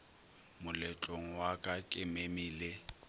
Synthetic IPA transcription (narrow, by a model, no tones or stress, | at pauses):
mʊlɛt͡ɬʼoŋ̩wakʼakʼɪmemiːle